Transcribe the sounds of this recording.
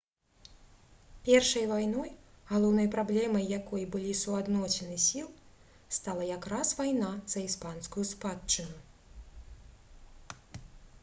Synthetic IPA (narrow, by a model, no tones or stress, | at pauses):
pʲɛrʂɐjvajnɔj | ɣalˠɔwnɐjpɾablʲɛmɐjːakɔjbɨlʲisuad̪nɔsʲɛnɨsʲilˠ | st̪alˠɐjakɾasvajnaz̥ɐispanskujuspatt͡ʂːɨnu